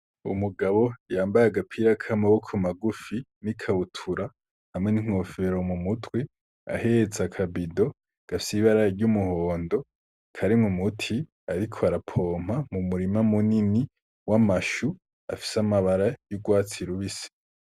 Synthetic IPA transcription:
ṵmuɡaβo̞jaːmbajaɡapʰiɾakʰamaβokʰumaɡufinikʰautʰuɾa | hamŋe̞niŋ̥o̞ːfe̞ɾo̞mumutwe | a̰het͡sakʰabido̞ | ɡ̥afi̥siβaɾajeɾɟumuhoːndo̞ | kʰaɾimumutʰi | aɾikʰoaɾapʰoːm̥hamumuɾimamunini | wamaʃu | a̰fi̥samaβaɾajuɡwaːt͡siɾuβise̥

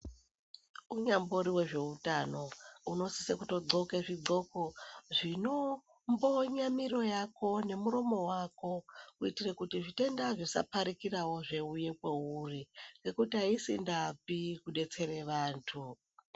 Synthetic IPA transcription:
uɲambo̞ɾiwe̞ʐe̞utano̞uno̞sisekuto̞ɡ͡ǀo̞keʐid͡zo̞koʐino̞ | mbo̞ɲamiro̞jako̞ne̞muɾo̞mo̞wako̞uitire̞kutiʐite̞ndaʐisa̰paɾikirawo̞ʐe̞uje̞kweuriŋɡe̞kutiaisḭndapikuɗe̞t͡se̞ɾe̞ʋaːntʰu

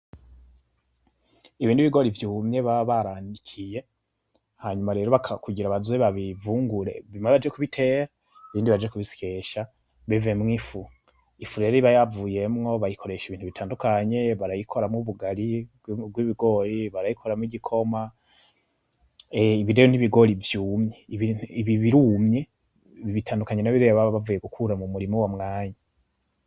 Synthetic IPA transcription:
iβiːndiβiɡo̞ːɾivjuːmɲe̞βaβaɾanikʰije̞ | haɲumaɾe̞ːɾo̞βakʰakuɟiɾaβazweβaβivuːŋɡuɾe̞̰βimaβad͡ʒekuβitʰe̞ːɾa | iβiːndiβad͡ʒekuβisi̥ke̞ʃa | βivemŋifu | ifuɾeɾiβajavuːje̞mŋo̞βajikʰo̞ɾe̞ʃiβiːntuβitʰaːndukaɲe̞βaɾajikʰo̞ɾamŋuβuɡaɾi | ɡwiβiɡo̞ːɾiβaɾajikʰo̞ɾamŋiɟikʰo̞ma | iβidejoniβiɡo̞ɾivjuːmɲeiβiiβiβiɾuːmɲe̞ | βiβitʰaːndukaɲenaβiɾeβaβavuːje̞ɡukʰuɾamumuɾimowamŋaːɲa

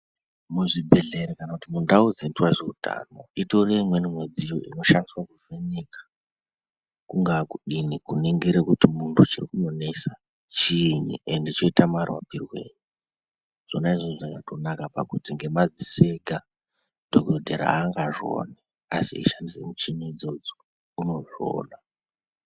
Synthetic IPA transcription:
muʐibʱe̞ɮe̞ɾekanakutimundaud͡zintuwaʐeutʰa̰ːno̞ito̞reimwe̞nimwed͡zijo̞̰ʔḭno̞ʃandiswakuvʱenekḁ | kuŋɡakuɗinikuneŋɡeɾekutimuntʰut͡ʃirikunonesa | t͡ʃinḭʔendeit͡ʃo̞itamarwa̰pirwḛːɲi | ʐ̥o̞naiʐoʐaŋɡatʰo̞nakapa̰kutiŋɡe̞mad͡zise̞ɡʱa | d̥ʱoɡodʱeɾa̰ɦaŋɡaʐo̰ne | a̰sḭḭʃandise̞mut͡ʃiniid͡zo̞d͡zo̥ | uno̞ʐo̰ːna

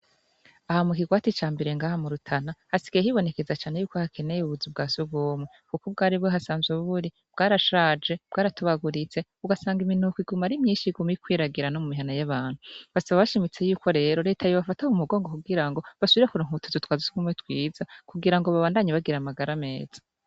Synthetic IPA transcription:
ahamukiɡwaːtit͡ʃaːmbe̞ɾe̞ŋɡaːhamuɾutʰanahasi̥ɡijehiβo̞ne̞ke̞zat͡ʃaːne̞juːkohakʰe̞ne̞jeuβuzib̚ɡaːsuɡoːmŋekukub̚ɡaːɾiβweɦasaːnzɡuβuβuɾi | b̥ɡaːɾaʃaːd͡ʒe̞b̥ɡaːɾatuβaɡuɾit͡se̞uɡasaːŋɡiminukwiɡumaɾimɲiːnʃiɡumikwiːɾaɡiɾanomumiɦanajaβaːn̥huβasaβaβaʃimit͡se̞juːkʰo̞ɾe̞ːɾo̞ɾe̞ːtʰajoβafataumuɡo̞ːŋɡo̞kuɡiɾaŋɡo̞βasuβiɾakuɾaŋhuutʰuzutwaːzisuɡumwetwiːzakuɡiɾaŋɡoβaβaːndaɲaβaɡiɾamaɡaɾame̞ːz̥ḁ

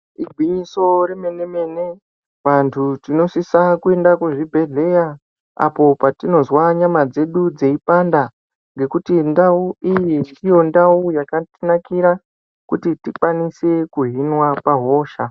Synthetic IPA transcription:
iɡʱwiɲiso̞ɾeme̞ne̞me̞ne̞ | ʋantʰutino̞sisakue̞ndakuʐibʱe̞ɮe̞ja | a̰po̞patino̞zwaɲamad͡ze̞ɗud͡ze̞ipanda | ŋɡe̞kutindauijindijo̞ndaujakatinakiɾa | kutitikwanise̞kuɦinwapaɦo̞ːʃa

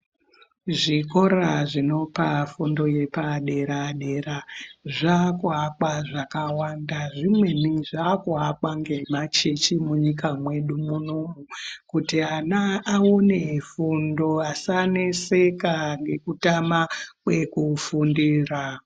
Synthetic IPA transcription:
ʐiko̞ɾaʐino̞pafundo̞je̞paɗe̞ɾaɗe̞raʐakuɦakwaʐakawandaʐimwe̞niʐakuɦakwaŋɡe̞mat͡ʃe̞t͡ʃimuɲikamwe̞ɗumunomukutianaːonefundo̞asane̞se̞kaŋɡe̞kutamakwekufundiːra

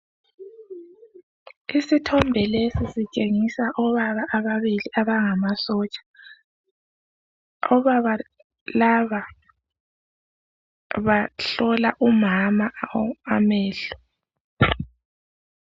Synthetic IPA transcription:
isitʰɔmbʱɛlesisit͡ʃʼeŋisaʔɔβaβaʔaβaβiliʔaβaŋamasɔt͡ʃʼḁ | ɔβaa | laβa | βaɬɔlaʔumamaamɛːɬɔ

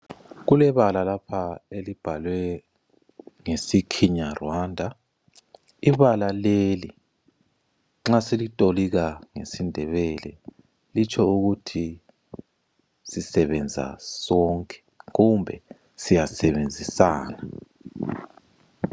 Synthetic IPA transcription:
ɣulɛβalalapʰaelib̥ʱalwɛ | ŋesikʰiɲarwandʱa | iβalaleli | ŋ͡ǁasilitʼoliɣaŋḛsindʱɛβɛlɛ̰ | lit͡ʃʰʼɔuɣutʰi | sisɛβɛnd͡zʱa̰sɔŋkʼɛ̥ | ɣumbʱɛ | sijasɛβend͡zʱisaːna

